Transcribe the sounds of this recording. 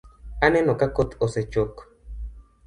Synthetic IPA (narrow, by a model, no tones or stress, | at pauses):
anenõkakot̪oset͡ʃok